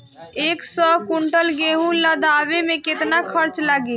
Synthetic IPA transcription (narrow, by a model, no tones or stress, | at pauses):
eːksɔkuɳʈəlɡeɦũləd̪aʋemẽket̪nakʰəɾt͡ʃləɡe